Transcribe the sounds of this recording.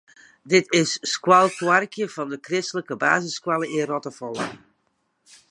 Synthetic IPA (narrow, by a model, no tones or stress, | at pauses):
dɪtɪsːkwɑlˠkwɑrkjəv̥ɑndəkrɪstələkəba̰ːzəskwalˠəɪrɔtəfɔlˠə